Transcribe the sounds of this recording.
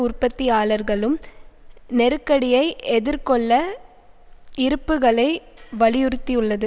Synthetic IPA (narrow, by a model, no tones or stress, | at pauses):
ʊrpɐt̪ːijaːɭɐɾɣɐɭɯm | nɛɾɯkːɐɽɪjɐɪʔɛðɪɾkɔɭːɐ | ɪɾɯpːɯɣɐɭɐɪ | ʋɐɭɪjʊɾɯt̪ːijɯɭːɐðɯ